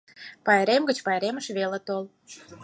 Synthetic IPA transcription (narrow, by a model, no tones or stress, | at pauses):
pɑjɾemɡət͡ɕpɑjɾeməʃβelə̆t̪ol